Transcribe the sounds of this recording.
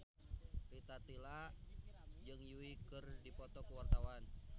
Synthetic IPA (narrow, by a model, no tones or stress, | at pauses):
rit̪at̪ilaʔd͡ʒɨŋjuikɨrdipɔt̪ɔkuwart̪awan